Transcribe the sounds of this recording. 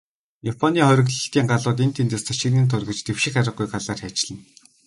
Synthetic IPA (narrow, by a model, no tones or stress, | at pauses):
japʰɔniːχɔɾʲɪ̆ɣɮə̆t̪iːŋɢaɮʊːt̪̬en̥t̪ʰent̪eːst̪ʰaʃĭniːnt̪ʰʊrɣɘ̆t͡ɕt̪ewʃɪ̆xaɾʲə̆χ̚ɡujɢaɮaːrxæːt͡ɕɪ̆ɮə̆n